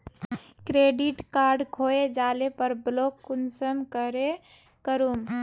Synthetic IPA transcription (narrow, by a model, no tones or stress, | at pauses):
kɾeɖiʈkaɾɖkʰoed͡ʒalepəɾblokːunsəmkəɾe | kəɾum